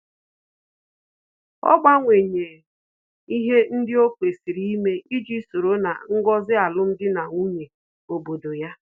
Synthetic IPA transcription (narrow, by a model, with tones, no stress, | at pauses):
ɔ̰˦ɡ͡ba˦ŋʷe˨ɲe˨ | i˦ɦe˦n̩˦dɪ˦o˦kʷe˨si˨ɾi˦i˦me˦ʔi˦d͡ʒi˦so˨ɾo˦na̰˨ŋ̩˦ɡɔ˦zɪ˦a˨lʊ˦m̩˦dɪ˦na˨ŋu˦ɲe˨ | o˨bo˨do˨ja˦